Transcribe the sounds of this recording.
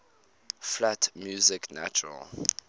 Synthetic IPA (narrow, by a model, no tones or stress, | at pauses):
flatmjuːzɪkna̰t͡ʃuɹə̰l